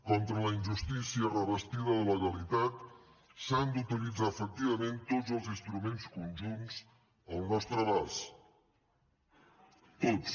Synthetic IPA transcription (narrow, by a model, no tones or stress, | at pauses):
kɔnt̪ɾələind͡ʒust̪isiərəβəst̪iðəðələɣəlit̪at̪ | sand̪ut̪ilid͡zaəfək̚t̪iβəment̪od͡zzəlˠzinst̪ɾumenskunʲʒunz | əlˠnɔst̪ɾəβas | t̪ot͡s